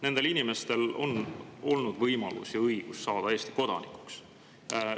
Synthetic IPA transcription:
ne̞nd̪elinime̞st̪e̞lo̞̰no̞lnud̪vɤjmɑ̰lṵsjɑɤjɡ̥usːɑːd̪ɑeːst̪i̥ko̞d̪̥ɑ̰nikˑu̥ks

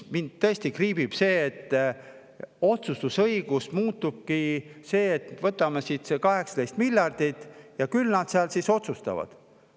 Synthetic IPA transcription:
mind̪̥t̪ːɤest̪ikriːbib̥se̞ːt̪ː | o̞t̪sust̪usɤiɡ̥usmuːt̪ːub̥̚kise̞ːet̪ːvɤt̪ːˑɑmesit̪sekɑɦe̞ksɑ̥t̪ejst̪milʲjɑrd̪̥it̪ˑjɑkylnɑd̪seɑlsiso̞t̪sust̪ɑ̰vɑ̰d̪̥

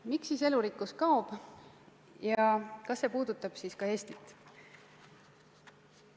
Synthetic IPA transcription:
miksiːse̞luɾikːˑuskɑob̥ | jɑkɑsːe̞ːpuːd̪̥ut̪ːˑɑb̥siːskɑe̞ːst̪it̪ːˑ

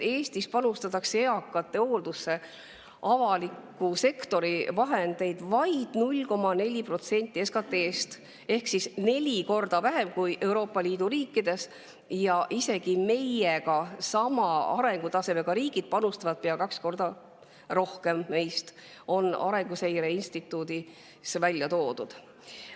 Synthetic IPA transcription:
e̞ːst̪ispɑnust̪ɑt̪ːˑɑkse̞ɑkːˑɑt̪ːe̞o̞ːld̪̥usːe̞ | ʔɑvɑlikːuse̞kt̪o̞ɾivɑɦe̞nd̪̥e̞jd̪̥vɑjd̪̥nulʲko̞mɑne̞lʲipro̞t̪se̞nʲt̪ʲˑːie̞skɑt̪ːˑe̞ːst̪ | e̞hksisne̞lʲiko̞rd̪̥ɑvæɦe̞mkujʔe̞uwɾo̞ːpːˑɑlʲiːd̪̥uɾiːkːid̪̥e̞s | jɑʔise̞ɡime̞jekɑsɑmɑɑɾe̞ŋɡ̥ut̪ɑse̞meɡ̥ɑɾiːɡ̥id̪̥̚pɑnust̪ɑvɑd̪̥̚peɑkɑksko̞rd̪̥ɑ | ro̞hke̞mːe̞jst̪ | o̞nɑ̰ɾe̞ŋɡuse̞jɾe̞inst̪it̪ːˑuːd̪i | svælʲjɑt̪o̞ːd̪ud̪̥

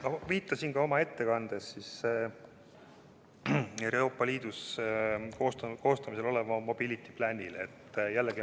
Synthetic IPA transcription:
mɑviːt̪ːˑɑsinkɑo̞mɑe̞t̪ːe̞kɑnd̪̥e̞sːis | eroːpːˑɑliːd̪̥us | kost̪ko̞ːst̪ɑmiselo̞levɑmo̞b̥ilit̪ːiplænʲilḛt̪ːˑjælːeɡi

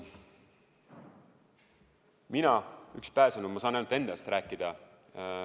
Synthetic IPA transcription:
minɑykspæːsɑnumɑsɑːnæjnud̪e̞nd̪̥ɑst̪ræːkːˑid̪̥ɑ

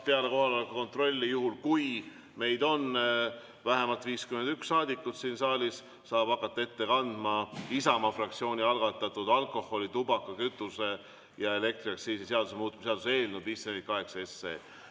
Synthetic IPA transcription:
pe̞ɑle̞ko̞ɦɑleolekɑko̞nt̪ro̞lʲːijuhulkuj | me̞jd̪o̞n | væɦe̞mɑlt̪ːˑviːskymend̪ykssɑːd̪ʲikːut̪siːnsɑːlʲis | sɑːb̥ɑkːˑɑt̪ːɑe̞t̪ːe̞kɑnd̪̥mɑisɑmɑfrɑkt̪sio̞ːnʲiɑlɡ̥ɑt̪ːˑɑt̪ːˑud̪̥ɑlkˑo̞ho̞lʲit̪ubɑkːˑɑkyt̪ːˑuse̞ | jɑe̞le̞k̚t̪riɑksiːsiseɑd̪usemuːt̪ːˑumseɑd̪usee̞ːlnub̥isemit̪̚kɑɦe̞ksɑe̞sːḛː

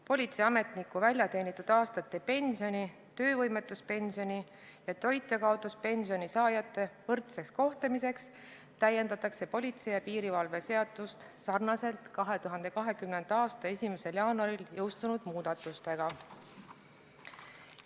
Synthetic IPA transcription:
po̞lʲit̪seɑme̞t̪nikːuvælʲjɑt̪e̞ːnit̪ːˑud̪̥ɑːst̪ɑt̪ːe̞pe̞nʲsio̞nʲit̪ø̞ːvɤjme̞t̪ːˑuspe̞nsio̞nʲi | jɑt̪o̞jt̪ːˑekɑod̪̥uspe̞nsio̞nisɑːjɑt̪ːˑe̞vɤrt̪se̞ksko̞ht̪emise̞ks | t̪æjːe̞nd̪ɑt̪ɑkse̞po̞lʲit̪se̞jɑpiːɾivɑlve̞se̞ɑd̪ˑust̪ | sɑrnɑse̞lt̪kɑɦe̞t̪uɦɑnd̪e̞kɑɦe̞kymne̞nd̪̥ɑːst̪ɑe̞sʲime̞se̞ljɑːnɑɾiljɤwst̪unud̪̥muːd̪̥ɑt̪ːˑust̪e̞ɡ̥ɑ

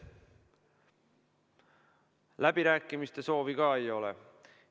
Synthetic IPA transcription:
læb̥iɾæːkːˑimist̪e̞so̞ːvikɑːe̞jo̞lḛ

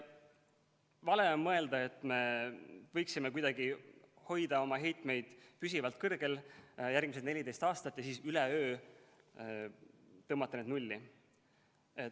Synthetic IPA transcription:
vɑle̞onmɤe̞ld̪ɑe̞t̪ːˑme̞vɤ̞jksimekujd̪ɑɡ̥i | ho̞jd̪̥ɑo̞mɑɦe̞jt̪ˑme̞jd̪̥pys̬ʲivɑlt̪̚ˑkɤrɡ̥e̞ljærɡ̥miset̪ne̞lʲid̪e̞jst̪ɑːst̪ɑt̪ːˑjɑsiːsyleøː | t̪ɤmːɑt̪ːˑɑned̪nulʲːi | e

